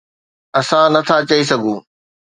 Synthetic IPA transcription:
ɐsãnɐt̪ʰat͡ɕɐis̬ɐɡʱũː

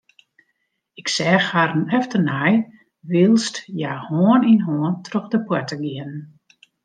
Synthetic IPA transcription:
ɪksɛːxhaɾənɛftənaj | ʋilˠstjaːhoːəninɦoːəntʰroxdəpwɛtəɡɪənn

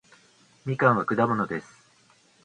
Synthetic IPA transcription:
mʲikãɰ̃βakɯ̟d̪amo̞no̞d̪e̞sɨ̥

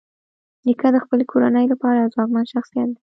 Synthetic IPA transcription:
ɾikɑd̪əxpəlekʰoɾanəjlapɑɾazwɑkmanʃaxsijat̪̚d̪i

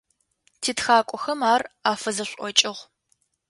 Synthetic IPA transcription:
tʰiːtxaːkʷʼɔxɐmaːraːfɐzɐɕʷʼɔt͡ʃʼɪʁʷ

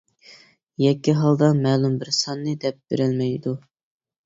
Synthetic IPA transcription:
jɛkʲːiɦɑlˠd̪ɑmɛːlˠumbɪɾsɑnːɨd̪ɛp̚b̥ḛɾɪlmɛjd̪u

